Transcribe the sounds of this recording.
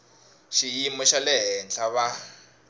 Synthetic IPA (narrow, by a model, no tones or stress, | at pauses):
ʃijimɔʃalɛɦɛnt͡ɬʰaβa